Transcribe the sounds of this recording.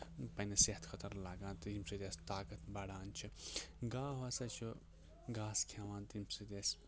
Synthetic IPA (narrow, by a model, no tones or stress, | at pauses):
pɐnɐseɦt̪ʰkʰɐt̪ɐɾlaːɡãːnt̪ɦimsɨd̪ʲesʲt̪aːkɐt̪bɐɽaːnt͡ʃʰiɡaːɦosɐt͡ʃʰu | ɡaːskʰeʋãːnt̪imsɨd̪ʲes